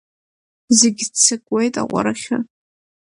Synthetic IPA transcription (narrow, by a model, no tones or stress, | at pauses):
zeɡʲt͡sʰɨkʼwejtʼa̰qʷʼa̰ɾaχʲa